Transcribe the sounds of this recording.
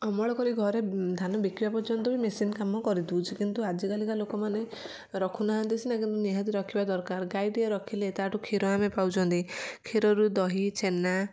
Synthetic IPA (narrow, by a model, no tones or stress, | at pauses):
ɔmɔɭɔkɔɾiɡʱɔɾed̪ʱanɔbikibapɔɾt͡ʃɔnt̪ɔbimesinkamɔkɔɾid̪ũt͡ʃʰikint̪uad͡ʒikalikalokɔmane | ɾɔkʰunaɦant̪isʰinakint̪uniɦat̪iɾɔkʰibad̪ɔɾkaɾɡajɖiɔɾɔkʰilet̪aʈukʰiɾɔamepawt͡ʃʰɔnt̪ikʰiɾɔɾud̪ɔɦit͡ʃʰena